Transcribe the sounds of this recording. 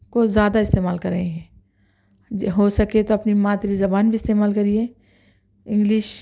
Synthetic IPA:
kozjaːd̪aɪst̪eːmaːlkɐɾɐɦẽɦɛ̃ː | ɦoːsɐket̪oɐpnimaːt̪ɾizɐbaːnbʱiɪst̪eːmaːlkɐɾie | ɪ̃ŋɡlɪʃ

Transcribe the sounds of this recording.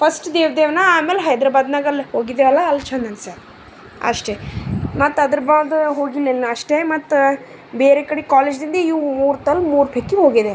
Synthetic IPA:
pʰɐsʈd̪eːʋɐd̪eːʋnɐaːmeːleɦɐjd̪ɾaːbaːd̪naːɡɐlhoːɡid̪eʋɐlːɐːlt͡ʃʰɐnd̪ʱɐnsa | ɐ̰ʂʈemɐt̪ːɐd̪ɐɾɐbaːd̪ɦo̞ːɡinenːɐɐʂʈemɐt̪ːu | beːɾeːkɐɽekaːled͡ʒd̪ind̪ɐiʋmuːɾt̪ɐlmuːɾpʰekːiɦoːɡid̪e

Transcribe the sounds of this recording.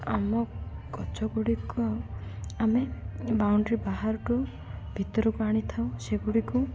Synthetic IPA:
amɔkɔt͡ʃɔɡuɽikɔ | amebawɳɖɾibaɦaɾɔʈu | bʱit̪ɔɾukaɽ̃it̪ʰaw̃seɡuɽiku

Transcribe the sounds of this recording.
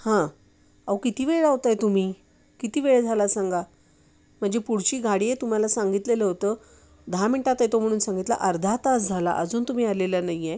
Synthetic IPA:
hã | aʋwkit̪iːʋeɭaɦot̪ajt̪um̤iː | kit̪iːʋeɭd͡zʱalasaŋɡa | m̤əɳd͡zepuɽt͡ɕiːɡʱaɽiːet̪um̤alasaŋɡit̪leləɦot̪əː | d̪ʱamiɳʈat̪et̪om̤əɽ̃uːnsãŋɡit̪la̰ʔəɾd̪ʱat̪asd͡zʱala̰ʔəd͡zuːnt̪um̤iːalelənaje

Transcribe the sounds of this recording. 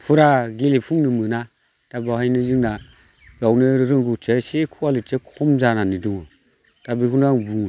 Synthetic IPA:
pʰuɾaɡilipʰuŋnɯmɯna | tabahajniziŋna | bawnɯɾɯŋɡut͡ʃesekʰuwalit͡ʃekʰɔmzananiduŋu | tabikunaŋbu

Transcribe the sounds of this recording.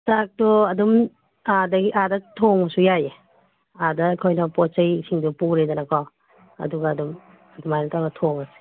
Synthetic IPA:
tak̚tɔɐdum | adɐɡiʔadɐtʰomɐsujaje | adɐkʰojnɐpɔt͡ʃɐjsiŋdupuɾedɐnɐkʰɔ | ɐ̰duɡaːdum | ɐdumajnɐtaɡɐtʰomɐsi̥

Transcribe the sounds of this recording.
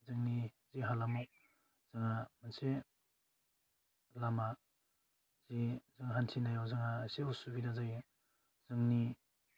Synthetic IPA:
zɯŋniziɦalamo | z̥ɯŋamanse | lama | z̥izɯŋɦantʰinajawzɯŋaseusubidazaj | z̥ɯŋni

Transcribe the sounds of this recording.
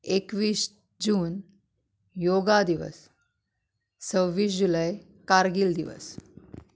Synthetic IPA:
ekʋiːɕ | d͡ʑuːn | joɡad̪iʋə̰s | t͡səʋːiːs̬d͡ʑuləj | kaɾɡiːld̪iʋə̰s

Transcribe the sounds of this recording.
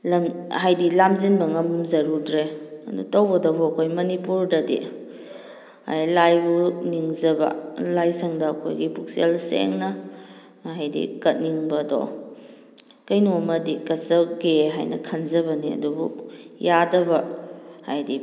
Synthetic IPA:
lɐmɦajdilamzinbɐŋɐmzɐɾudɾeɐ̰dṵtɐwbɐdɔbuɐkʰojmɐnipuɾdɐdḭ | ha̰jlajbuniŋzɐbɐ̰lajsʰɐŋdɐːkʰo̰jɡipuk̚sielsḛŋnɐ | hajdḭkɐt̚niŋbɐdɔ̰ | kɐjnuɐmɐdikɐt̚sɐɡeɦa̰jnɐ̰kʰɐnzɐbɐniɐ̰dubṵjadɐbɐhajdi

